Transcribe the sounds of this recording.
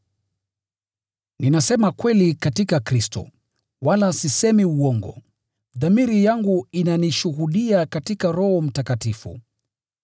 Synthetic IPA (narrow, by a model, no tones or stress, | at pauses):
ninasɛmakwɛlikatikakɾistɔ̰ | walasisɛmiuɔŋɡɔ̰ | ðamiɾijaŋɡuinaniʃuhuɗiakatikaɾɔhɔm̩takatifṵ